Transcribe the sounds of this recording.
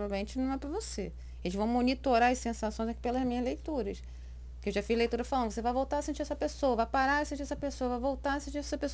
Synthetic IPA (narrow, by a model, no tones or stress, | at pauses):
ɔvalmẽnt͡ʃɪnɐ̃w̃ɛpɾɐvose | elɪzvɐ̃w̃monit̪oɾaɾɐsẽsasõj̃zɐki̥pelɐzmĩɲɐʒlejt̪uɾɐs | kɪewʒafiʒlejt̪uɾɐfalɐ̃nd̪vosevajvowt̪aɾɐsĩt͡ʃiɾɛsɐpesowɐvajpaɾaɾɐɛsẽt͡ʃiɾɛsɐpesoɐvajvowt̪aɾɐsĩnt͡ʃiɾɛɛsɐpeso